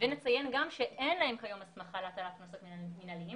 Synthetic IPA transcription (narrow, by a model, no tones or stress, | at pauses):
venet͡sajenɡamʃeʔenlahe̞mkajo̞masmaχaleat̪alaknosot̪miminalii